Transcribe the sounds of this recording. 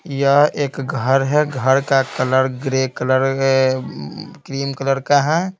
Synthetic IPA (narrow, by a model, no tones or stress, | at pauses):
jəɦeːkɡʱəɾɦɛɡʱəɾkakələɾɡɾekələɾ | kɾiːmkələɾkaɦã